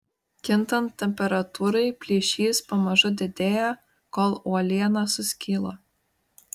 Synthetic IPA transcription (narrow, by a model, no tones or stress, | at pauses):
kʲɪnˑt̪ɐnt̪ʲːɛmʲpʲɛɾɐt̪uːɾɐɪpʲlʲiɛʃʲiːspɐmɐʒʊd̪ʲɛd̪ʲeːjɛ | koːlˠuɔlʲiɛnɑsʊsʲkʲiːlˠoː